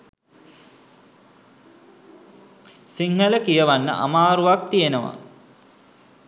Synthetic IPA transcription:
siŋɦələkijəʋanːə̰ʔa̰maːɾuʋak̚t̪ijenəʋa̰

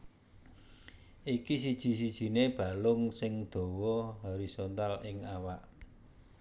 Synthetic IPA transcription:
ʔikis̬id̥ʒ̥i̤sid̥ʒ̥i̤neb̥ä̤lʊŋsɪŋd̪̥o̤wɔɦoɾisont̪alɪŋawaʔ

